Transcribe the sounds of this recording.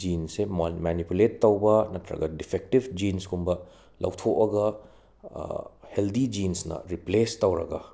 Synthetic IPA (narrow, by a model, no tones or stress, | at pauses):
d͡ʒinsemmanipuletːɐwbɐnɐtɾɐ̰ɡɐdipʰek̚tibʰd͡ʒinsɡumbɐ | lɐ̰wtʰoʔɐɡɐ | heldid͡ʒinsnɐ̰ɾiplestɐwɾɐ̰ɡɐ